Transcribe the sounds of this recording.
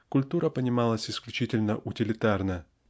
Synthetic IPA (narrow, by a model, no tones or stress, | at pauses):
kʊlʲt̪uɾəpənʲɪmalˠəsʲɪsklʲʉt͡ɕitʲɪlʲnəʔʊtʲɪlʲɪt̪arnə